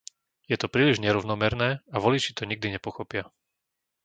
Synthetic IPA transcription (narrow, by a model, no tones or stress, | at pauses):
jɛt̪ɔpɾiːliʒɲɛɾɔʋʊnɔmɛɾnɛːaʋɔlit͡ʃit̪ɔɲiɡ̚d̪iɲɛpɔxɔpɪa